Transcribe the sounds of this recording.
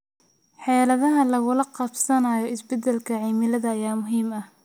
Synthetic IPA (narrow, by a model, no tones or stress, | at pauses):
ħɛːlɐðɐɦɐlɐɣʊlɐqɑbsɐnaːjɔɪsbɛd̪ɛlkʰɐʕiːmɪlɐðɐːjaːmʊɦiːmɐh